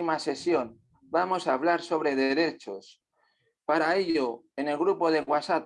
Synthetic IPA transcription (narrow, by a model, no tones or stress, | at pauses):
imase̞sjo̞n | bamo̞saːβ̞laɾso̞βɾe̞ðeɾe̞t͡ʃo̞s | paɾae̞ʎo | ene̞lɣɾupo̞ðeɣwasat